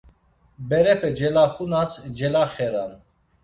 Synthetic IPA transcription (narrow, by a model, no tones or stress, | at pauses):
bɛɾɛpʰɛd͡ʒɛlaχunasd͡ʒɛlaχɛɾan